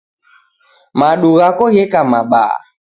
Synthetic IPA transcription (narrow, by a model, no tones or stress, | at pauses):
maɗuɣakɔɣɛkamaɓa̰